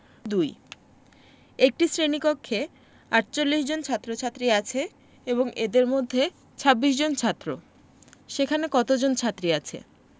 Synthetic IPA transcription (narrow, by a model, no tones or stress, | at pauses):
d̪uj | ek̚ʈisɾenikokʰːe | aʈt͡ɕolːiʃd͡ʑont͡ɕʰat̪ːɾot͡ɕʰat̪ːɾiat͡ɕʰe | eboŋed̪eɾmod̪ʱːe | t͡ɕʰabːiʃd͡ʑont͡ɕʰat̪ːɾo̰ | ʃekʰanekɔt̪od͡ʑont͡ɕʰat̪ːɾiat͡ɕʰḛ